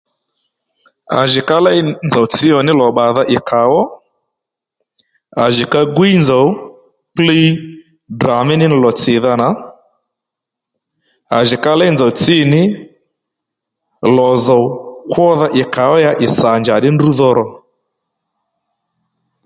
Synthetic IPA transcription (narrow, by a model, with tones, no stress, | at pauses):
a̰˨ʒɪ˨ka˦la˦jnd͡za˨wt͡sɪ˦ɔ˨nɪ˦lɔ˨ɓa˨ða˦ʔɪ˨kʰa˨wɔ˦ | a˨ʒɪ˨ka˦ɡwi˦nd͡za˨w | pli˦ | dra˨mɪ˦nɪ˦n˨lɔ˨t͡sɪ˨ða˦na˨ | a˨ʒɪ˨ka˦la˦i˦nd͡za˨wt͡sɪ˦˨nɪ˦ | lɔ˨za˨wkwɔ˦ða˦ʔɪ˨ka˨wɔ˦ja˦ʔɪ˨sa˨ɲd͡ʒa˨ɗɪ˦ndu˦ðɔ˦˧ɾɔ˨